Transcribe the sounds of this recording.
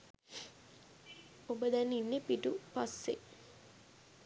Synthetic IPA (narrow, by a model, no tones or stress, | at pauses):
obəd̪ɛnːinːepiʈupasːe